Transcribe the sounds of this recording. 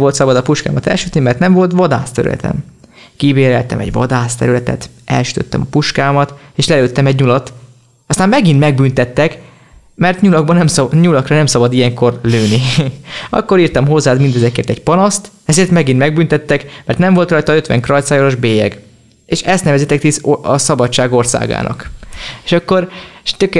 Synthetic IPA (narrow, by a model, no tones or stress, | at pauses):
vo̞lt̪sɒbɒd̪ɒpuʃka̰ːmɒt̪ɛ̰lʃyt̪nimɛrt̪nɛɱvo̞lt̪ʋɒd̪aːst̪ɛ̰ɾy̰lʔɛ̰t̪ɛ̰m | kibeːɾɛlt̪ɛ̰mɛ̰ɟʋɒ̰d̪aːst̪ɛ̰ɾylɛt̪ɛ̰t̪ | ʔɛ̰lʃy̥t̪ø̞̰t̪ːɛmɒpuʃkaːmɒt̪eːʃlɛløːt̪ːɛmɛɟɲulɒt̪ | ɒst̪aːmmɛɡinmɛɡ̚bynt̪ɛt̪ːɛk | mɛrt̪ɲulɒɡ̚bɒnɛmsɲulɒkrɒnɛmsɒbɒd̪ijɛŋko̞rløːni | ɒ̰kːo̞ɾiːrt̪ɒmɦo̞zːaːt̪mind̪ɛzɛkeːrt̪ɛcpɒnɒst̪ɛzeːrt̪mɛɡinmɛɡ̚bynt̪ɛt̪ːɛkmɛrt̪nɛɱvo̞lt̪rɒjt̪ɒø̞t̪ʋɛ̰ŋkrɒjt̪saːjoɾoʒbeːjɛɡ | eːʃɛst̪nɛvɛziːt̪ɛkt̪isɒsɒbɒt͡ʃt͡ʃːaːɡo̞rsa̰ːɡa̰ːnɒ̰keʃɒkːo̞rʃt̪øk